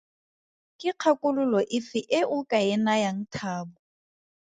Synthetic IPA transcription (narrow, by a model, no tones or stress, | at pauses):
kʼɪq͡χʰakʼʊlʊlɔʔɪfɪʔɪʔʊkʼaɪnajaŋ̩tʰaːbʊ